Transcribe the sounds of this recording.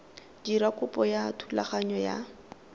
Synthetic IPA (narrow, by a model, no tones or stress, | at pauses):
d͡ʒiɾakʼʊpʼɔjatʰula̰χaɲɔja̰